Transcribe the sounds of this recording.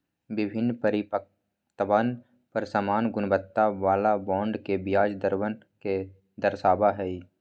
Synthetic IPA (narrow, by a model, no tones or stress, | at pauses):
bɪbʱɪnːpəɾɪpək | t̪əʋan | pəɾsamaːnɡʊnbət̪ːaʋaːlabɔ̃ːɳɖkebɪjaːd͡ʒd̪əɾwən | ke | d̪əɾsaːbaɦɛi